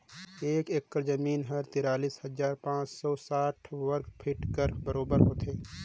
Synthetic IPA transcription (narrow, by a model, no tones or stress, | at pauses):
eːkekːəɾzɐmiːnɦɐɾt̪ɪɾaːliːshɐzaːɾpãːt͡ʃsɔːsaːʈʰwəɾkpʰɪʈkəɾbəɾoːbəɾɦoːt̪eː